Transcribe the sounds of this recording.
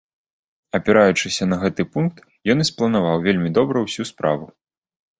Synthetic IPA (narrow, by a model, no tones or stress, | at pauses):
ɐpʲɛɾajut͡ʂɨsʲɐnɐɣɛt̪ɨpunk̚t̪ | jɔnisplˠɐnavawvʲelʲmʲid̪ɔbɾɐwsʲuspɾa̰vu